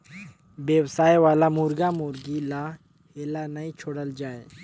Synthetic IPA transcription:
bjəwsaːjʋaːlamuːɾɡamuːɾɡila | heːlanaĩt͡ʃʰoːɽəld͡ʒaːe

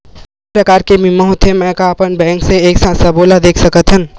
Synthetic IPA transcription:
pɾəkaːɾkemiməɦot̪ʰemɛ̃kaəpənbɛ̃ŋkseeːksãsəbolad̪eːkʰsəkət̪ɦən

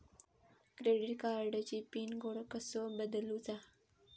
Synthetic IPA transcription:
kɾeɖiʈkaɾɖət͡ɕiːpiːnɡoɽəkəsobəd̪əluːt͡sa

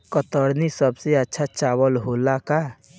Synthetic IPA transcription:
kət̪əɾnisəbseətːʃʰat͡ʃaːwəlɦoːlaka

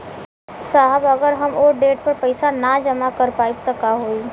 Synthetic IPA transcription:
saɦəbɐɡəɾɦɐmoːɖeːʈpəɾpəɪsanad͡ʒəmakəɾpaːib̚t̪ɐkaɦoːi

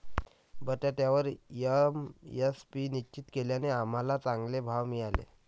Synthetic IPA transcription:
bəʈ̪jat̪jaʋəɾjəmjespinit͡ɕit̪keljaneam̤alat͡sãŋɡlebʱaʋmiːalḛ

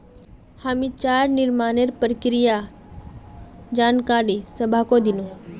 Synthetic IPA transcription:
haːmĩt͡ʃaːɾnɪɾmaːneɾpɾəkɾija | d͡ʒaːnkaːɾisəbʱakod̪ino

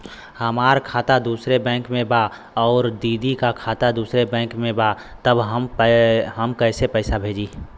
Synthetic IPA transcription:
həmaːɾkʰaːt̪ad̪uːsɾebɛ̃ːŋkmẽba | ɔːɾd̪iːd̪ikakʰaːt̪ad̪uːsɾebɛ̃ːŋkmẽba | t̪əbɦəmɦəmkəɪsepəɪsabʱeːd͡ʒiː

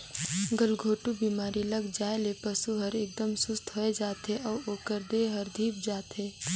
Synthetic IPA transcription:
ɡɐlɡʱoːʈubiːmaːɾilɐɡd͡ʒaːelepɐsuɦɐɾeːk̚d̪əmsʊst̪ʰɦoːed͡ʒaːt̪ɦeʔɔːoːkəɾd̪eɦəɾd̪ʱiːp̚d͡ʒaːt̪ɦeː

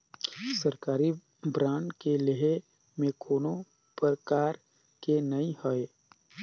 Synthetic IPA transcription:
səɾkaːɾi | bɾãːɳɖkeleɦe | mẽkʰoːno | pəɾkaːɾ | kenɐĩhoe

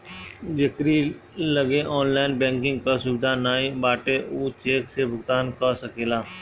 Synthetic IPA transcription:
d͡ʒɪkɾilɐɡeʔɔːnlaːɪnbɛ̃ːŋkɪ̃ŋɡ̚kasʊbɪd̪ʱanaːibaːʈeʔuːt͡ʃeːksebʱʊɡt̪aːnkasɐkeːlaː

